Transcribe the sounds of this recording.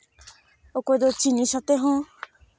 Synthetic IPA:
okojd̪ot͡ʃinisat̪eɦɔ̃

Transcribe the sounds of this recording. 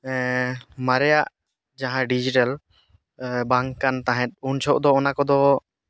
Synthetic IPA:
maɾɛjaʔ | d͡ʒaɦãɖid͡ʒiʈal | baŋkkant̪ãɦɛ̃t̪̚ˀunt͡ʃʰɔʔd̪ɔːnakɔd̪ɔ

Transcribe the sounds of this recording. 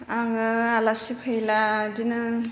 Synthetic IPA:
aŋɯalasipʰəjladina

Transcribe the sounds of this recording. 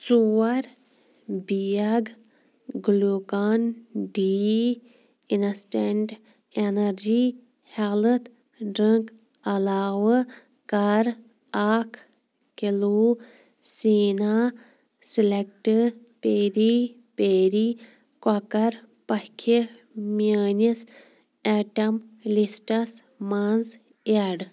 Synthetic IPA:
suwɐɾ | bijaɡ | ɡlukanɖiː | inɐsʈeɳʈ | enɐɾd͡ʒi | haːlət̪ | ɖɾə̃ŋk | ɐlaːwə | kaɾ | aːkʰ | kiloː | siːna | silek̚ʈɨ | peːɾi | peːɾi | kɐkɐɾ | pɐhkʰːi | maːnɐs | eʈɐmlisʈɐs | maːns | aɖ

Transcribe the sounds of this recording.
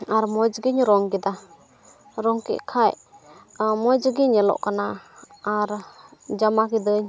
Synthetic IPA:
aɾmɔjd͡ʒəɡiɲɾɔŋɡid̪a | ɾɔŋkḭʔkʰaj | mɔjd͡ʒɯɡiɲɛlɔ̰ʔkanaː | ɾd͡ʒamakid̪ɯɲ

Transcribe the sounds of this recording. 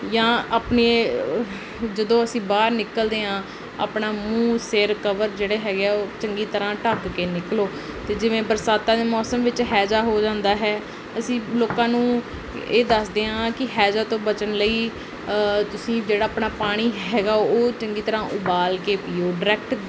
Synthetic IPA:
jãːaːpɳeː | d͡ʒəd̪õːəsĩːbaːɾnɪkəld̪eːɦãː | a̰ːpɳaːm̃ũːseːɾkəʋəɾd͡ʒeːɽeːɦɛːɡeaːoːt͡ʃəŋɡiːt̪əɾãːʈəkkeːnɪkloː | t̪eːd͡ʒɪʋẽːbəɾsaːt̪ãːd̪eːmɔːsəmʋɪt͡ʃɦɛːd͡ʒaːɦoːd͡ʒãːnd̪aːɦɛː | əsĩːloːkãːnũː | eːd̪əsd̪eːɦãːkɪɦɛːd͡ʒaːt̪õːbət͡ʃənləiː | t̪ʊsĩːd͡ʒeːɽaːapɳaːpaːɽ̃iːɦɛːɡaːoːt͡ʃəŋɡiːt̪əɾãːʔʊbaːlkeːpɪoːɖɪɾɛːk̚ʈ

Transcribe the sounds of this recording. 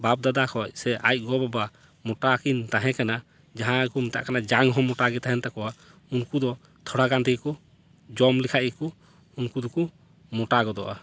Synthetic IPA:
bab̚d̪ad̪akʰɔc̚sɛʔa̰c̚ˀɡɔbaba | mɔʈakint̪aɦɛ̃kana | d͡ʒaɦãkumɛt̪a̰ʔkanad͡ʒaŋɦɔ̃mɔʈaɡɛt̪aɦɛnt̪akɔwa | unkud̪ɔ | t̪ʰɔɽaɡant̪ɛiku | d͡ʒɔmlikʰaʔiku | unkud̪ɔku | mɔʈaɡɔd̪ɔ̰ʔa

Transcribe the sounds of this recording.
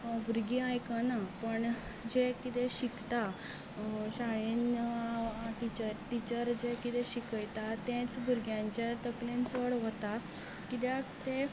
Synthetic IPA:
bʱuɾɡiajkanapəɳd͡ʑekit̪eɕikt̪a | ɕaɭen | ʈit͡ɕəɾʈit͡ɕəɾd͡ʑekit̪ɛɕikəjt̪at̪ɛ̃t͡sbʱuɾɡjãɲt͡ɕat̪əklẽnt͡səɽʋət̪a | kit̪̬akt̪e

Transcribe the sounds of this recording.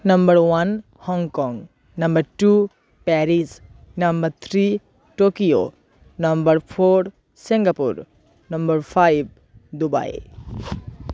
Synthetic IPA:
nɐ̃mbəɾwɐn | hɔ̃ŋɡkɔ̃ːŋɡ | nɐ̃mbəɾʈu | pɛːɾis | nɐmbəɾt̪ʰɾi | ʈoːkijo̰ | nɐmbəɾpʰoːɾ | sĩŋɡapṵɾ | nɐmbəɾpʰajb | d̪uba̰i

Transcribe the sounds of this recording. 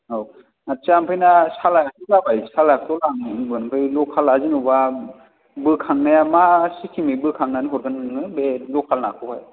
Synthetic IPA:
aw | at͡ʃampʰɯjnasalajak̚tɔlabajsalajak̚tɔlaŋɯbɯnmpʰɯjlɔkʰalazinɯba | bɯkʰaŋnajamasikʰimibɯkʰaŋnanɯɦɔɾɡɯnɯbelɔkʰalnakʰɯhʰaj

